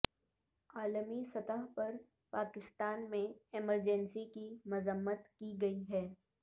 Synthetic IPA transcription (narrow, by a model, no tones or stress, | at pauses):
aːləmisɐt̪əɦpɐɾ | paːkɪst̪aːnmẽɪməɾd͡ʒɛ̃nsikimʊzəmːət̪kiɡɐiɦɛː